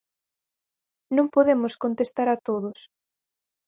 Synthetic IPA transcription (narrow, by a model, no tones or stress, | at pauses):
nõmpoðemʊskont̪est̪aɾat̪oðʊs